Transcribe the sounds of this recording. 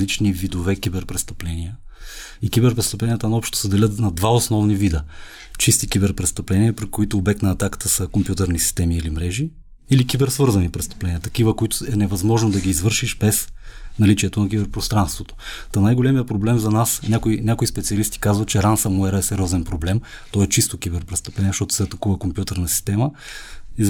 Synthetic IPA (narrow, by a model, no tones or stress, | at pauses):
lit͡ʃnivid̪ovɛkʲibɛɾpɾɛst̪ɐplɛniə | ikibɛɾpɾɛst̪ɐplɛnʲijət̪ənɐɔpʃt̪o̥səd̪ɛlʲət̪nɐd̪vaosnɔvnivid̪ə | t͡ʃist̪ikʲibɛɾpɾɛst̪ɐplɛniəpɾikoit̪ʊːbɛk̚t̪nɐːt̪akə̥t̪əsəkompʲjut̪ɛɾnisi̥st̪ɛmiːlimɾɛʒi | ilikibɛɾsvɤɾzɐnipɾɛst̪ɐ̥plɛnʲijət̪ɐ̥kivəkoit̪ʊ̥ɛnɛvɐzmɔʒnod̪ɐɡiːzvɤɾʃiʃbɛsnɐlit͡ʃiɛt̪onɐk̬ibɛɾpɾost̪ɾanst̪vot̪o̥t̪ənajɡolɛmiəpɾoblɛmzɐnasnʲakoinʲakoispɛt̪siɐlist̪i̥kazvɐt̪t͡ʃɛɾansɐmuɛɾəɛsɛɾʲɔzɛnpɾoblɛm | t̪ɔɛt͡ʃist̪okʲibɛɾpɾɛst̪ɐplɛniɛʃt̪ɔt̪ʊ̥sɛɐt̪ɐkuvəkompjut̪əɾnɐsi̥st̪ɛmə | i